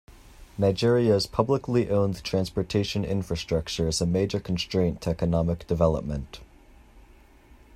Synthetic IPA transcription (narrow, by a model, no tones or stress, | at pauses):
naɪd͡ʒɪɹiɨz̥pʰʌbləkliʔõʊ̃ntʰɹ̥æ̃nspə˞tʰeɪʃɨ̃nɪ̰̃ɱfɹɨstɹ̥ʌk̚t͡ʃə˞ɨzəmeɪd͡ʒə˞kʰn̩stɹ̥ẽɪ̃ntʰəɛkɨnɑmɨk̚d̥ɨvɛlˠə̰p̚mə̃nt